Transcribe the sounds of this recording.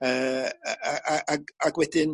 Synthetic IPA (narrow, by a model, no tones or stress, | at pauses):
əːaʔaʔaɡaɡwɛdɪn